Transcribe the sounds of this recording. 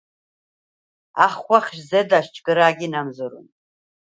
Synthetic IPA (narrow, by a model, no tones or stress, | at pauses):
aχχʷaχʲʒzɐdaʃt͡ʃʼɡɨɾaːɡʲinamzɨɾɨ̰n